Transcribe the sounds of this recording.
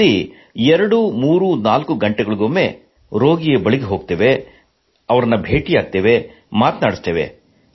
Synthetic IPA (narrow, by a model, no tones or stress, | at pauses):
i | ɛɾɐɽumuːɾunaːlkuɡɐɳʈɛɡɐɭiɡomːe̞ | ɾo̞ːɡijebɐɭiɡeɦo̞ːɡ̚t̪eːʋe̞ | ɐʋɐɾɐnːɐbʱeːʈijaːɡ̚t̪eːʋe | maːt̪naːɽist̪eːʋḛ